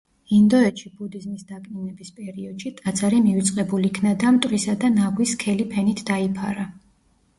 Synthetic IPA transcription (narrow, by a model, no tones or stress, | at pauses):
ind̪ɔɛt̪ʃibud̪izmisd̪akʼninɛbispʼɛɾiɔd̪̥ʃit̪ʼad̪zaɾimivit̪sʼqʼɛbuliːkʰnad̪amt̪ʼɾisad̪anaɡwiskʰɛlipʰɛnit̪ʰd̪aipʰa̰ɾa